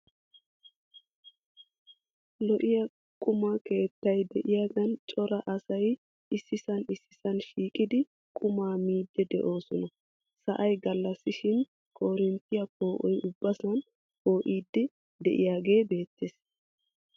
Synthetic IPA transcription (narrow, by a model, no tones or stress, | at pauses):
lɔʔɪjɐ | kʼʊmake̞ːt̪ːɐjd̪ɛʔɪjaːɡɐnt͡ʃʼɔɾɐʔɐsɐj | ʔɪsːɪsɐnɪsːɪ̥sɐnʃiːkʼɪd̪ɪ | kʼʊmaːmiːd̪ːɛd̪ɛ̰ʔo̞ːsɔnɐ | sɐʔɐjɡɐlːɐsːɪʃɪn | kʰo̞ːɾɪnt̪ːɪjɐpoːʔɔjʔʊbːɐsɐn | po̞ːʔiːd̪ːɪ | d̪ɛ̰ʔɪ̰jaːɡe̞ːbe̞ːt̪ːes